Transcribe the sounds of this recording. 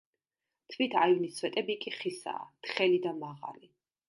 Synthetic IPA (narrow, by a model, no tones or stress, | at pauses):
t̪ʰvit̪ʰaivnisʰwɛt̪ʼɛbikʼiχisa̰ːt̪χɛlid̪amaʁa̰li